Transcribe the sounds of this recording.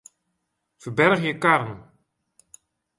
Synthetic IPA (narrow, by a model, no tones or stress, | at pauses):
fərbɛrχjəkarnə